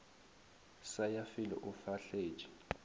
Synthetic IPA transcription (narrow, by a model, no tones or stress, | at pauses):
sajafilɛ̰ʔufaɬe̥ːt͡ʃʼi̥